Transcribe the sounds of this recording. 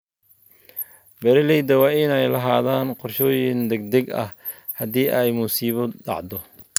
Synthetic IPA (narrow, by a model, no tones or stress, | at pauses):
bɛɾɪlɛjd̪ɐwɑːɪnɛjlɐɦaːðaːnqɔrʃɔːjɪnd̪ɛɡ̚d̪ɛɡɐ̰h | hɐd̪iːʔɛjmuːsiːβɔɖɑ̰ʕd̪ɔ